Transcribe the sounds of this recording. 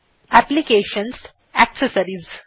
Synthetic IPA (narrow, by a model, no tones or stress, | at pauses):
æplikeːʃə̃ns | æksəsɐɾiz